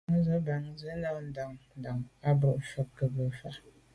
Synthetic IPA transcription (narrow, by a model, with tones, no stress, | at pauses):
ŋ˦zə˦ba˨ŋ˦zə˦na˦˨n̩˦da˨ŋn̩˨da˨ŋa˦bo˨ʔfɔ˦kə˨bə˨fa˦ʔ